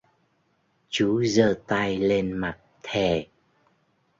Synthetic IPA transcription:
t͡ɕu˨˦zəː˧t̪a˧jle˧nma˨˩t̚t̪ʰɛ˨˩

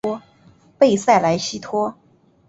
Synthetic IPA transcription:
ɔ˥ | pe˥˧ɪsa˥˩ɪla˧˥ɪɕi˥t̪ʰwɔ˥

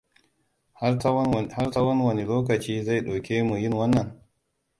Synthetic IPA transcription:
ha˦rta˦wɐ˦nwɐ˨ni˨loː˦kɐ˨t͡ʃiː˦za˦˨jɗo˨kʲeː˦mu˨jɪ˦˨ŋwɐ˦nːɐ˨ŋ

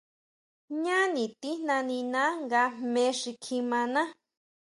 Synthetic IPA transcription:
ɲã˦nĩ˨t̪i˦n̥nã˧nĩ˧nã˦ŋɡa˧˦mẽ˧˦ʂi˧kʰi˧mã˧nã˦

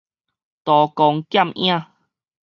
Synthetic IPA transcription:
t̪ɔ˨kɔ˧ŋkja˥˧˨mʔj̰̃ã˦˧˨

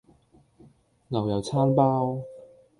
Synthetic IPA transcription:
ŋɐ˨˩wjɐ˨˩wt͡sʰaː˥npaː˥w

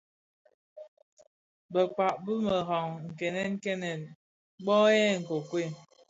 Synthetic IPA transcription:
bə˨k͡pa˨ʔbə˦mə˨ɦɔ˨ŋŋ̩˨kɛ˨nɛ˦ŋ̩˦kɛ˦nɛ˨n | ɡ͡bɔ˦ɛ˦˨ŋ̩˨ko˨kwe˦˨

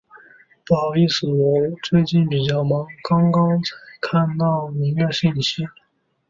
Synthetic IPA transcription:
pɑ˨˩ʊi˥˩s̩˨˩lo˧˥ʊt͡swe˥˧ɪt͡ɕi˥˩npi˨˩t͡ɕjɑ˥˩ʊmɑ˧˥ŋkɑ˥ŋkɑ˥ŋt͡sʰa˧˥ɪkʰa˥˧nt̪ɑ˥˩ʊmi˧˥ŋɥɛ˥˧ɕi˥˩nɕi˥

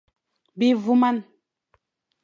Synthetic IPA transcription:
bi˦vu˦ma˦˨n

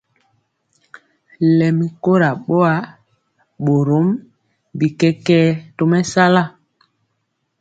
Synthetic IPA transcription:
lɛ˨mi˨ko˦ɾa˨ɓo˦a˦ | ɓo˨ɾo˨˦m | bi˨kɛ˦kɛː˦to˨mɛ˦sa˦la˦˨

